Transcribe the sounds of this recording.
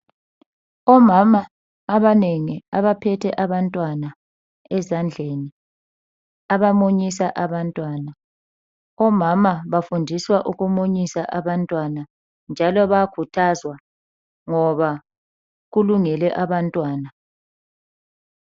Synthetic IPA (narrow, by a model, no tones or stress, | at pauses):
ɔmamaː | βaneŋiaβapʰɛtʰɛʔaβantʼwana | ɛzand͡ɮʱeni | aβamoɲisaʔaβantʼwaːna | ɔmamaβafundʱiswaʔuɣumoɲisaʔaβantʼwana | nd͡ʒʱalɔβakʰutʰazwa | ŋɔβa | ɣuluŋɛlɛʔaβantʼwaːna